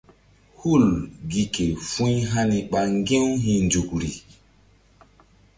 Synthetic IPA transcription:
hu˦˨lɡi˨ke˨fũ˦jɦa˦ni˨ɓa˦ŋɡẽ˦wɦĩ˨nd͡ʒu˨k̚ɾi˨

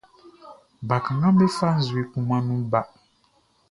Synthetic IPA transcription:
ba˨kã˨ŋã˦bɛ˦fa˦n̩˦zu˨e˨kũ˦mã˦nũ˦ba˦

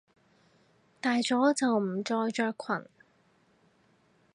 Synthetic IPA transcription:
t̪aː˨jt͡sɔː˨˥t͡sɐ˨wm̩˨˩t͡sɔː˧jt͡ʃœː˧kʷʰɐ̰˨˩n

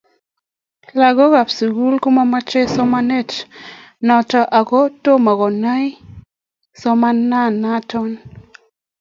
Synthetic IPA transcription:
la˨ɡɔ˦ɡa˨psu˨ɡu˦lku˦ma˦ma˦t͡ʃe˦sɔ˦ma˦nɛ˦˨t | nɔ˨ta˨ʔa˨kɔ˦to˦ma˨ɡɔ˨na˦i˦ | sɔ˦ma˦na˦˨na˦tɔ˦n

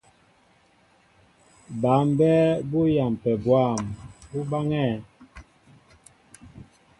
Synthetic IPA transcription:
ba˨˦m˦bɛ˦bo˦ja˨m˨pɛ˨bwa˦˨mbu˦ba˦ŋɛː˦˨

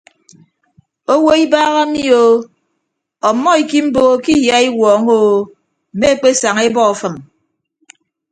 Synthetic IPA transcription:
o˦wo˦i˦baː˦ɣa˦mi˦o˨ | ɔ˨˦mːɔ˦i˨ki˦m̩˦bo˦o˦ki˦jja˦i˦wɔː˨˦ŋo˦ | m̩˨me˦e˦k͡pe˦sa˨ŋe˦bɔ˦˨fɨ˨m

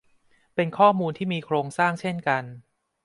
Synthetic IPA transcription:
pe˧nkʰɔː˥˩muː˧nt̪ʰiː˥˩miː˧kʰɾoː˧ŋsaː˥˩ŋt͡ɕʰe˥˩nka˧n

